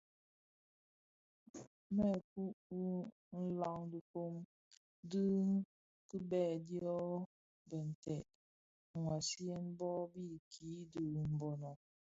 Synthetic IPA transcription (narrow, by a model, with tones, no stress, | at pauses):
mɛ˦˨ku˦ʔwu˦ | n̩˦la˨ŋdu˨ko˦m | dɨ˦ŋ˦ | kɨ˦bɛ˦˨di˦ɔ˦ | bə˨n̩˨tɛ˨ʔ | ŋwa˨si˦ɛ˦nbɔ˦bi˦kʰiː˨˦dɨ˨m̩˨bɔ˨nɔ˨